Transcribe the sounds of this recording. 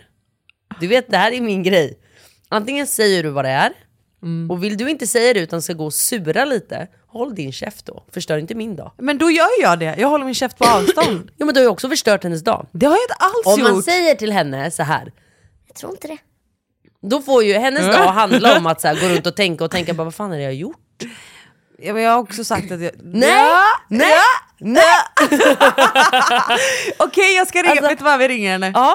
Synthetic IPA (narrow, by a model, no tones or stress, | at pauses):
d̪ɵveːt̪̚d̪ɛɦæːɾæmɪnɡɾɛj | ʔant̪ɪŋːənsɛjːəɖɵvad̪ɛæɾ | ɔvɪld̪ɵɪnt̪əsɛjːad̪ɛʉːt̪anskaɡoːsʉ̟ːɾaliːt̪ə̰ | hɔlːd̪ɪnɕɛ̰ft̪̚d̪ɔ̰fœʂʈœːɾɪnt̪əmɪnd̪ɑ̰ːmɛnd̪ɔjœːɾjɑːɖɛjʔɑːɡɦɔlːəɾmɪnɕɛft̪̚pʰɔɑːvst̪ɔnd̪juːmɛnd̪ɔhajɔksɔfœʂʈœːʈhɛnːəsd̪ɑ̰ːd̪ɛhaɾjaɪnt̪əʔalsɔmjasɛjːəʈɪlɦɛnːəsaɦæ̰ːɾ | jat̪ʰɾṵːɾɪnt̪əd̪ɛ | d̪ɔfoɾjɵɦɛnːəsɑːɦand̪laɾɔmːat̪sæːɾɡoːɾɵnt̪ɔt̪ʰɛŋkaɔt̪ʰɛŋkaɾbɑːvaɾfaːnhadɛjajʊʈ | jɑjɑːaɾɔksɔsak̚t̪at̪jɑnɛ | ɛ | nɛ | ɔkʰɛjːɑːɡskaɾɪːvet̪ːvavɪɾɪŋːaɾhɛnːəɑː